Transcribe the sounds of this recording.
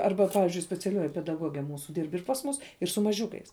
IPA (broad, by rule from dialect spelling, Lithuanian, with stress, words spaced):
ˈɐrbɐ ˈpɑːʋʲɪzʲd͡ʒʲʊɪ sʲpʲɛt͡sʲɛˈlʲuɔjɪ pʲɛdɐˈɡuɔɡʲɛ ˈmuːsʊ ˈdʲiːrp ɪr pɐs ˈmuːs ɪr sʊ mɐˈʒʲʊkɐɪs